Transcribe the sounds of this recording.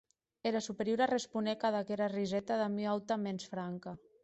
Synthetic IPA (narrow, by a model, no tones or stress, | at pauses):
eɾasupeɾjoɾarespunekaðakeɾarizɛt̪aðamiawt̪amensfɾaŋka